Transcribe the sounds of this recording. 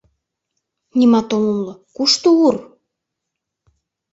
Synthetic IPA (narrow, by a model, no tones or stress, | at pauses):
nʲimɑt̪olulːɤkuʃt̪uur